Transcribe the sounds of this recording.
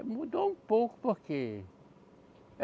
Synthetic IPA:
mud̪oũpowkpoɾke

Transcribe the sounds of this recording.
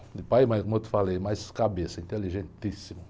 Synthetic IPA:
d̪ɪpajmɐ̃j̃kõmewt̪ɪ̥falejmajskabesɐĩnt̪eliʒẽnt̪isimʊ

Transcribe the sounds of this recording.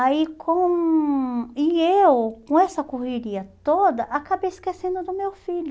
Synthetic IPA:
aikʰõ | ɪewkõɛsɐkoheɾiɐt̪od̪ɐʔakabejɪskesẽnd̪ʊd̪ʊmewfiʎʊ

